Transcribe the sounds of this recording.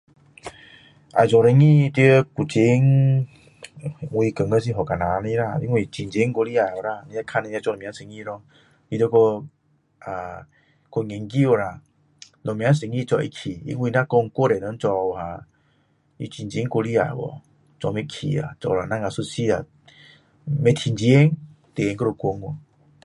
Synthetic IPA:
a̰˨d͡ʒɔ˨ɾe˧ŋĩ˧˨˧t̪i˧˦ku˨t͡ɕi˧˦ŋ˨ | ŋwi˧kə˨ŋə˦˧˦s̬i˧ɦɔ˨ka˨nã˨˦˧nĩ˧˦ɾa˧˨ḭ˧˦ŋwi˧˨t͡ɕi˧nt͡ʃi˨˦ŋko˧li˦a˨o˨ɾa˧˨nĩ˧ja˦kʰa˧˨ne˧ja˧˦t͡ʃɔ˧lo˨mjã˧˦nsi˧˨ŋĩ˧ɾɔ˧ | i˧də˧˦ko˧ | a˨ | ko˧ŋe˨˦ŋki˦˨wo˧˨ɾa˧˨ | lɔ˨mj̃ã˨˧˦n˦se˨˧˨ŋi˦˧t͡ʃɔ˧ʔḭ˧kʰi˨ḭ˧˦ŋwi˧nã˦kɔ˧ŋ˧ko˦ɾe˨nə˨˧˦n˦t͡ʃɔ˧o˧˨a˧˨ | ḭ˧˦t͡ɕi˧nd͡ʒi˧e˦ŋko˧li˦a̰˨wɔ̰˨ | t͡ʃɔ˧me˧kʰḭ˨a̰˨t͡ʃɔ̰˧˨˧ɾa˨nã˦ŋa˨su˧si˦a˨ | me˧t̪ʰi˧˨nd͡ʒi˧˦e˦ŋ | t̪e˨˧ŋkə˦˧ɾo˧kʷo˧˦ŋɔ˨

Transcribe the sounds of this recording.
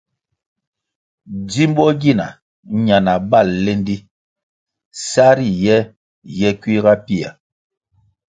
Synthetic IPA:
d͡zi˦m˦bɔ˦ɡi˦˨na̰˨˦ | ɲa˨na˨ba˦˨lːe˦n˦di˦ | sa˦ɾi˦˨jɛ˦ | jɛ˦kwi˦ɣa˦pi˦a̰˨

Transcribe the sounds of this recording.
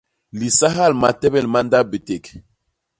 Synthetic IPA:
li˨sa˦ɦa˦˨lma˨tɛ˦bɛ˦˨lma˦nda˦be˨te˨k

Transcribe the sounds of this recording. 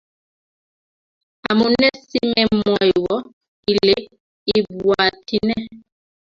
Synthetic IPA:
a˨mo˨nɛ˦si˦mɛ˨mɔ˨jwɔ˦ | i˨le˦ | i˨bwa˨ti˦nɛ˦

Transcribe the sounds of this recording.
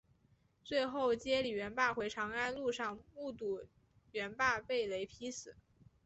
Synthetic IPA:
t͡swe˥˧ɪxo˥˩ʊt͡ɕjɛ˥li˨˩ɥɛ˧˥npa˥˩xwe˧˥ɪʈ͡ʂʰɑ˧˥ŋa˥nlu˥˧ʂɑ˥˧ŋmu˥˧t̪u˥˩ | ɥɛ˧˥npa˥˧pe˥˩ɪle˧˥ɪpʰi˧˥sɹ̩˨˩˦

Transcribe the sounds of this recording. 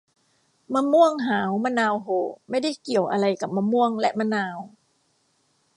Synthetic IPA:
maː˧mu˥˩əŋɦaː˩˦wmaː˧˥naː˧wɦoː˨˩˦ma˥˩jda˥˩jki˨˩əwʔa˧ɾa˧jka˨˩p̚maː˧mu˥˩əŋlɛ˦˥ʔma˧˥naː˧w

